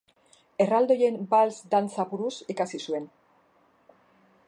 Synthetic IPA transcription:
e̞rald̪o̞je̞mbalsd̪ant͡sapuɾusikasisue̞n

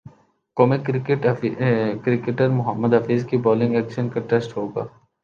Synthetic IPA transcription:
koːmẽkʈ | kɾɪkeʈəɾmʊɦəmːəd̪ɦɐfiːzkibɔːlɪ̃ŋɡɛːkʃənkaʈesʈɦoːɡa̰ː

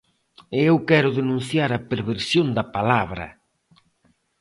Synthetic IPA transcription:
ɪewkɛɾʊðenũn̟θjaɾɐpeɾβeɾsjond̪ɐpalaβɾɐ̰

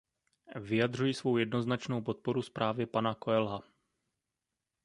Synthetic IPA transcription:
vɪjad̪r̝ujɪsvo̞wjɛdno̞znat͡ʃno̞wpo̞t̪̚po̞ɾuspɾaːvɪpanakoɛlɦa

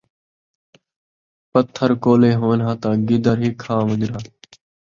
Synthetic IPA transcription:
pət̪ʰːəɾkoːleːɦoːnɦãːt̪aːɡɪd̪əɾɦiːkʰaːməd͡ʒɾaː

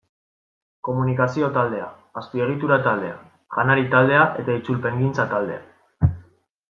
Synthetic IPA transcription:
ko̞munikasio̞t̪ald̪e̞aː | spie̞ɣ̞it̪uɾat̪ald̪e̞a̰ | ɣanaɾit̪ald̪e̞aʔe̞t̪ait͡sulpe̞ŋɡint͡sat̪ald̪e̞a

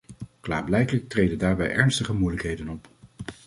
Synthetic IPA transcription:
kla̰ːɹblɛjkələk̚trejdədaːɹbɛ̰jʔɛɹnstəχəmujləkɦejdənɔp

